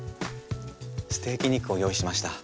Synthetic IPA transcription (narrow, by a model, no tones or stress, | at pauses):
sɨ̥t̪e̞ːkʲiɲ̟ikɯ̟o̞jo̞ːiɕimaɕi̥t̪a